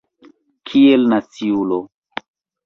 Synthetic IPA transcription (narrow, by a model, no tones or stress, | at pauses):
kʰielnat͡siulo